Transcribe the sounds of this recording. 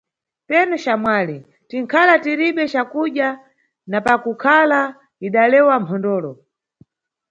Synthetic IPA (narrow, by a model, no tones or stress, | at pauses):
pɛnut͡ʃamwaːli | tiŋkʰalatiɾiɓɛt͡ʃakuɗja | napakukʰala | iɗalɛwampʰɔndɔːlɔ